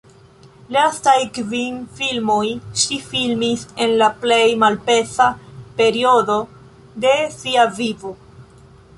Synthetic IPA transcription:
lastajkvinfilmo̞jʃifilmise̞nlaple̞jmalpe̞sape̞ɾio̞do̞ | de̞siavivo̞

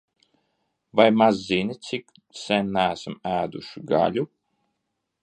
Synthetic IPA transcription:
vajmazːinʲit̪sik | sɛnːæːsmæːd̪uʃiɡa̰lʲu

